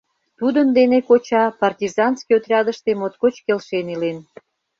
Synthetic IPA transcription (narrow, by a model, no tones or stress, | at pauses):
t̪ud̪ənd̪enekot͡ɕɑpɑrtʲizɑnskiot̪rʲɑd̪əʃt̪emot̪kot͡ɕkelʃenilen